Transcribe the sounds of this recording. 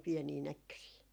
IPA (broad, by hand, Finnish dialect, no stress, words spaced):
piɛniː nækːøsiː